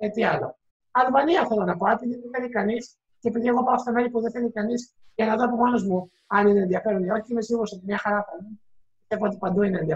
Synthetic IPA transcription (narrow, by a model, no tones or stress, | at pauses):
et̪iɐlo̞̰ | ɐlvɐniɐθelonɐpoepiðiðeθe̞likɐnis | ceepiðieɣo̞pɐost̪ome̞ɾipuðeθe̞likɐnis | ʝɐnɐðoɐpo̞mo̞no̞zmu | ɐnineːnðiɐfe̞ɾonio̞çiime̞ziɣuset̪mɲɐxɐɾɐfɐlu | pist̪evoo̞t̪ipɐnd̪uineːnðiɐ